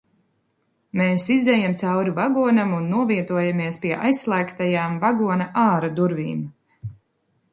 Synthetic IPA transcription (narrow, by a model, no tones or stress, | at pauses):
meːsizɛjamt̪sawɾivaɡuɔnamunːuɔviɛt̪uɔjamiɛspiɛʔajsːlˠæːkt̪ajaːmvaɡuɔnaʔaːɾad̪uɾvḭːm